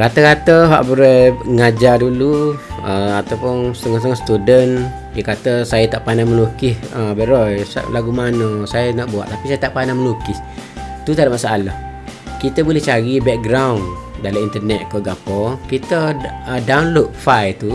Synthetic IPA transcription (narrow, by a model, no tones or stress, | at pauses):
kat̪əkat̪əɦa̰ʔbuɾajŋad͡ʒaduluəat̪awpʊnst̪əŋɔst̪əŋɔst̪udən | jakat̪əsajat̪aʔpanaməlukɪhəbəɾɔjsa̰laɡumanəsajənaʔbua̰ʔt̪apisajət̪aʔpanaməlukɪs | t̪ut̪adaʔmaʔsaʔalah | kit̪əbulɛht͡ʃaɾibɛk̚ɡɾawndalamint̪ərnɛt̪̚kəɡapɔkit̪əədawnlok̚fajt̪u